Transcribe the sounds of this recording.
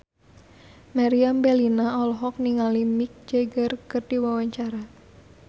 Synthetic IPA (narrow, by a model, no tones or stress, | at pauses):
maɾiambelinaɔlɔɦɔk̚niŋalimik̚d͡ʒeɡərkɨrd̥iwawaɲt͡ʃaɾa